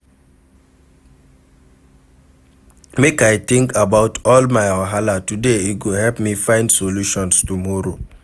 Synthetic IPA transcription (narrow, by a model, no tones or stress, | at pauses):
mekajtɪ̃ŋkabaʊtʰɔlmajaɦalatudeiɡuɦɛlpmifãɪ̃ndsoluʃɔ̃nstumɔɾo